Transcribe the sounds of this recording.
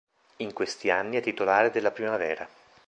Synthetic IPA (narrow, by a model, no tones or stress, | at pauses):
iŋkwest̪ianːiat̪ːit̪olaːɾed̪elːapɾimavɛːɾa